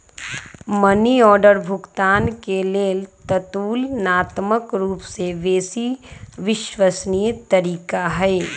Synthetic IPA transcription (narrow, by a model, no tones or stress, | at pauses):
mɐniɔːɖəɾbʱʊɡt̪aːnkeleːlt̪ɐt̪uːlnaːt̪məkɾuːpseʋeːsiʋɪʃʋəsnijt̪ɐɾiːkaɦɛː